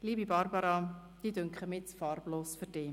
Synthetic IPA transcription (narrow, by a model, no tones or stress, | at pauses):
liːbibɑɾbɑɾɑd̪̥iːdʏŋkχəmɪt͡sfɑrb̥loːsføɾd̥eː